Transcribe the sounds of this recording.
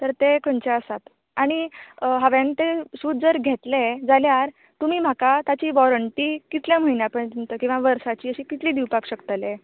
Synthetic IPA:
t̪əɾt̪ekʰənt͡ɕaəsat̪ | aɽ̃iɦaʋant̪esuːd̪̚d͡zəɾɡʱet̪led͡zaljaɾ | t̪um̤iːm̤akat̪at͡ɕiːʋɔɾəɳʈiːkit̪ljam̤əɦinjapəɳt̪int̪əkĩw̃ʋaʋəɾsat͡ɕiːəɕiːkit̪liːd̪iwpakɕəkt̪əle

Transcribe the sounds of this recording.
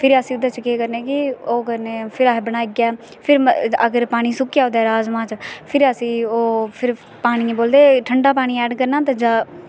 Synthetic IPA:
pʰɪɾəsĩːd̪aːt͡ʃəkeːkəɾneːkɪoːkəɾneːpʰɪɾaːɦbəɽ̃aːiɡaː | pʰɪɾəɡəɾpaːɽ̃iːsʊkːjaːoːd̪ɛːɾaːzmãːt͡ʃpʰɪɾəsĩːoːpʰɪɾ | paːɽ̃ĩːboːld̪eːʈʰəɳɖaːpaːɽ̃ĩːɛːɖkəɾnãːt̪ãd͡ʒaː

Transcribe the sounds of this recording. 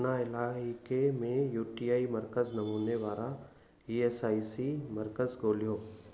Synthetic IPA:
naɪlaːɦɪkemẽjuːʈiːaːimɐɾkəznɐmuːneʋaːla | iːeːsaːisimɐɾkəzɡoːlijoː

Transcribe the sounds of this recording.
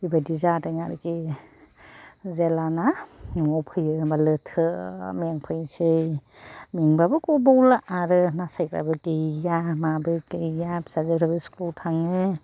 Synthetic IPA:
ibadizataŋaɾki | zelanamɔpʰɯjɯbalɯtʰɯmŋpʰɯjsɯj | miŋbabɯkɔbawlaʔaɾɯnasajkɾa̰bɯkijamabɯkɯjasazeɾabisklotʰaŋɯ

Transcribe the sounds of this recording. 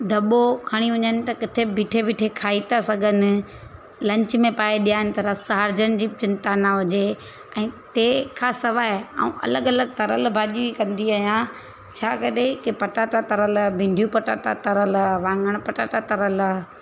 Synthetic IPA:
d̪ʱɐɓokʰɐɽ̃iʊɲənɪ̆t̪ɐkɪt̪ʰebʱɪʈʰebʱɪʈʰekʰaːit̪asɐɡʱənɪ̆ | lɐ̃ɲt͡ɕmẽpaːeɗijaːɦɪnɪ̆t̪ɐɾɐsɦaːɾd͡ʑəñɪd͡ʑiːt͡ɕɪ̃nt̪aːnaɦʊd͡ʑe | ɛ̃ːt̪eːkʰãsɐʋaːɦea̰ṵ̃ʔɐ̰ləɡɐləɡt̪ɐɾəlbʱaːʄiikɐ̃nd̪iaːɦjã | t͡ɕʰaːkɐɗekɪpɐʈaːʈat̪ɐɾəlbʱɪ̃ɳɖʱjupɐʈaːʈat̪ɐɾəlʋãːŋɡəɽ̃pɐʈaːʈat̪ɐɾəl

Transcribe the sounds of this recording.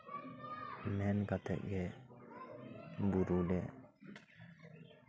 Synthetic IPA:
mɛnɡat̪ɛ̰ʔɡɛ | buɾulɛ

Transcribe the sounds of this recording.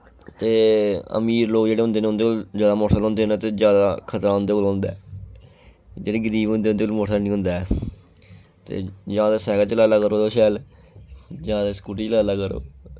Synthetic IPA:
t̪eːə̰miːɾloːkd͡ʒeːɽeːɦʊ̃nd̪eːneːʊ̃nd̪eːoːlzjaːd̪aːmoːsəlɦʊ̃nd̪eːnːt̪eːd͡ʒjaːd̪akʰət̪ɾaːɦʊ̃nd̪eːkoːlɦõnd̪aː | d͡ʒeːɽeːɡəɾiːbɦʊ̃nd̪eːʊnd̪eːkolmoːʈaːnĩːɦʊ̃nd̪aːɛ | t̪ḛːd͡ʒãːd̪eːsɛːɡaːt͡ʃəlaːlaːkəɾoːt̪oːʃɛːl | d͡ʒãːd̪eːsə̥kuːʈit͡ʃəlaːlaːkəɾo̰ː

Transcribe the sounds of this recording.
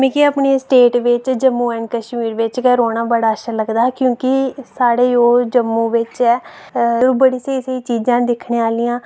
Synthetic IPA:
mẽːkɪəpɳiːsʈeːʈʋɪt͡ʃd͡ʒəmːũːɛ̃ɳɖkəʃmiːɾʋɪt͡ʃkɛːɾoːnãːbəɽaːəʃaːləɡd̪aːkjõːkɪsaːɽeːoːd͡ʒəmːũːʋɪt͡ʃɛː | ɾubəɽiːseːiseiːt͡ʃiːd͡ʒãːd̪ɪkʰɳeːaːliːãː

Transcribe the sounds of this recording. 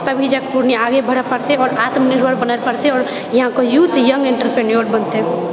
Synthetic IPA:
t̪əbʱid͡ʒkpuɾniaɡebʱəɽəpəɾt̪eɔːɾat̪mniɾbəɾbənəlpəɽt̪eɔːɾ | jɐɦãkojut̪jəŋɡeɳʈəɾpɾenijoɾbənt̪e

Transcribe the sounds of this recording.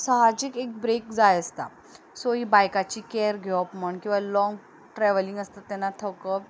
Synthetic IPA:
saɦad͡ʑikek̚bɾekd͡zajəst̪a̰ | soɦibajkat͡ɕiːkɛɾɡʱɔpməɳkĩw̃ʋalɔ̃ŋɡ | ʈɾɛʋəliŋɡəst̪at̪ːɛnːat̪ʰəwkəp

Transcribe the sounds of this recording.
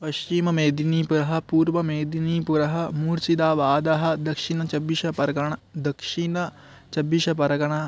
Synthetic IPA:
pɐʃt͡ʃimɐmeːd̪iniːpuɾɐɦɐ̆puːɾʋɐmeːd̪iniːpuɾɐɦɐ̆muːɾsid̪aːʋaːd̪aɦɐ̆d̪ɐkʂinɐt͡ʃɐbiʃɐpɐɾɡɐɳd̪ɐkʂinɐ | t͡ʃɐbːiʃɐpɐɾɐɡɐɳaː

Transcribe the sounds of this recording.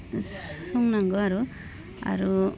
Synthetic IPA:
sɔŋnaŋɡɯaɾu | a̰ɾu

